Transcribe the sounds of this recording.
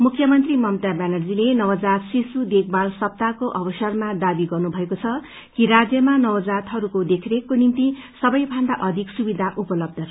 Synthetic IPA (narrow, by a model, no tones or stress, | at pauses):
mukʰjʌmʌnt̪rimʌmt̪abanʌrd͡zilenʌwd͡zat̪sisud̪ek̚ʰbalsʌp̚t̪akoʔʌbʌsʌrmad̪abiɡʌrnubʱʌekot͡sʰʌ | kiɾad͡zjʌmanʌwd͡zat̪ɦʌɾukod̪ekʰɾekːonint̪isʌbʌjbʱand̪aʔʌd̪ʱiksubid̪ʱaʔupʌlʌb̚d̪ʱʌ